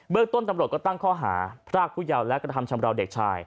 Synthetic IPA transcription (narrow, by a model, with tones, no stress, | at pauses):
ɓəː˧k̚t̪ʊ̆˧ənt̪a˧mɾo˧˩kɔː˧˩t̪a˧ŋkʰɔː˧ɦa̰ː˨˦pʰraː˧˩k̚ʰu˧jaː˧wlɛː˧˥kra˧˩ɦa˧˩mt͡ɕʰa˧mra˧wɗeː˧˩k̚t͡ɕʰaː˧j